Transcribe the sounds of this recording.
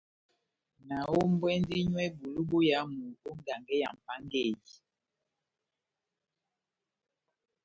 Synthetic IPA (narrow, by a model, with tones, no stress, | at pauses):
na˨wo˦m˦bwɛ˦n˦di˦ɲwɛ˦bu˨lu˦bo˦ja˨˦mu˨o˦ŋ˦ɡa˨ŋɡɛ˦ja̰˨m˨pa˦ŋɡe˦˨ji˨